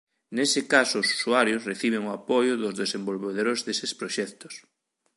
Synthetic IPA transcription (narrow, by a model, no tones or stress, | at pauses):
nesɪkasʊːsu̥suaɾjʊsreθiβ̞eŋʊapojʊðʊzðesembolβeðoɾoɾzðesespɾoʃɛkt̪ʊ̥s